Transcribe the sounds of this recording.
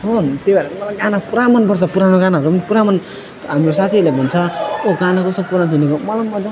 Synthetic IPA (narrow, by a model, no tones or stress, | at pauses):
ɦont̪ebaɾeɾemʌlaɡanapuɾamʌnpʌɾt͡sʰʌpuɾanoɡanaɦʌɾumʌnpuɾamʌn | tɦamɾosat̪ʰilabʱʌnt͡sʰʌoɡanakʌst̪opuɾannt̪ʰinekomʌlamːʌd͡zʌ